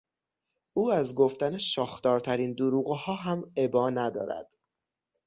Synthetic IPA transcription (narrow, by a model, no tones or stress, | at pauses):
ʔuːæzɡoft̪æneʃɒːxt̪ɒːɾt̪ʰæɾiːnd̪uɾuːɣhɒːɦæme̞bɒːnæd̪ɒ̰ːɾæ̰d̪̥